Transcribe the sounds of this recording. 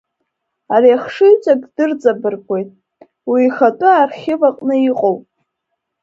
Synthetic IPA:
aɾiaχʂɨjt͡sʷʼakʼdɨrt͡sʼabɨrɡʰʷʼe̞jtʼ | wiːχatʼʊarχʲɪvaqʼnɨiqʼowpʼ

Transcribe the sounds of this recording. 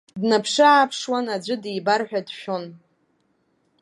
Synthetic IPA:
dnapʰʂɨapʰʂwanad͡ʒʷɨdijbarħʷᶣadʃᶣon

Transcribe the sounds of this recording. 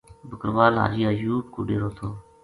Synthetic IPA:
bəkəɾʋaːlɦa̰ːɾɪjaːjuːʈ̚kṵːɖeːɾoːt̪ʰoː

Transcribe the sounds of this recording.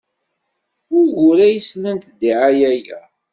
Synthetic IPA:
ʊɾʝʊɾæjəsnənt̪d̪iʕajæjæ̰

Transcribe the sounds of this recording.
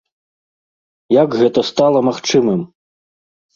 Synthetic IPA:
jaɡɣɛt̪ɐst̪alˠɐmaxt͡ʂɨmɨm

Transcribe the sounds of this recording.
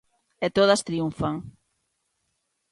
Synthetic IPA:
et̪oð̞ɐst̪ɾiuɱfaŋ

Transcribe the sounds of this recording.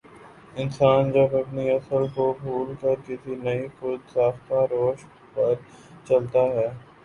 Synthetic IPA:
ɪnsaːnd͡ʒɐbɐpniɐsəlkobʱuːlkɐɾkɪsʰinɐixʊd̪saːft̪aɾoːʃ | pɐɾ | t͡ʃɐlt̪aɦɛː

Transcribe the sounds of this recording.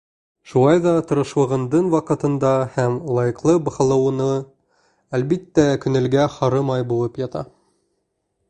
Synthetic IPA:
ʃulˠɑjðɑt̪ɤ̆ɾɤ̆ʃwɤ̆ʁɤ̆nd̪ɤɴwɑqɤ̆t̪ɤ̆nd̪ɑhæmlˠɑjɤ̆qlˠɤbɤ̆χɤ̆lˠɤ̆wɤ̆nɤ | ælβit̪ːækɵ̆nɘ̆lɡæhɑɾɤmɑjbulˠɤpjɑt̪ɑ̰

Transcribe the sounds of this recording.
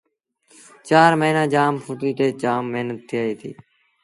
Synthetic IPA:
t͡ʃaːɾməɦiːnaːd͡ʒaːmfʰuʈiːt̪eːt͡ʃaːmːeɦnət̪ʰːiaːiːt̪ʰḭː

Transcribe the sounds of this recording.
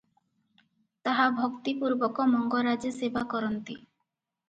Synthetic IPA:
t̪aɦabʱɔkt̪ipuɾbɔkɔmɔŋɡɔɾad͡ʒesebʱakɔɾɔnt̪i

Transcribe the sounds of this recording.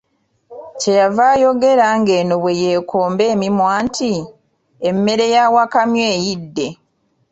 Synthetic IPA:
ce̞javaːjo̞ɡe̞ɾaŋɡe̞ːnoβwe̞je̞ːkʰo̞ːmbe̞ːmimwaːntʰi | emːe̞ɾe̞jaːwakamjeːjidːe̞

